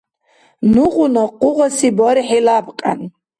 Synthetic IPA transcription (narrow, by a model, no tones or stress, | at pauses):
nuʁunɔqʼuʁɔsibɔɾiħɛlabqʼa̰n